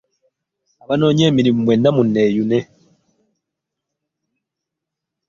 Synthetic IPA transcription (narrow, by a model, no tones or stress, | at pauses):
aβanoːɲemiɾimumweːndamunːejunɛ